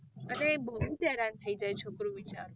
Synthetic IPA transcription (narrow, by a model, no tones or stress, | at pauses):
ənebəɦut̪ɛɾant̪ʰəid͡ʒajt͡ʃʰokɾuʋit͡ʃa̰ɾo